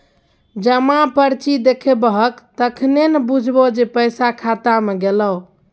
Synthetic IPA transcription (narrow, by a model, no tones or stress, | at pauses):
d͡ʒəmãpəɾt͡ʃid̪ekʰebəɦəkt̪əkʰnenebud͡ʒʱbod͡ʒepəjsakʰat̪ameɡelə